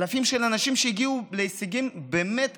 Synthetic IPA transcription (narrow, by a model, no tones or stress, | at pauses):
lafimʃelanaʃimʃeiɡiuleisiɡimbe̞ːmet